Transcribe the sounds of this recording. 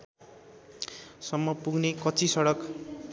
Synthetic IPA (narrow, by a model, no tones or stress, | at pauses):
sʌmːʌpuɡnekʌt͡sʰisʌɽʌk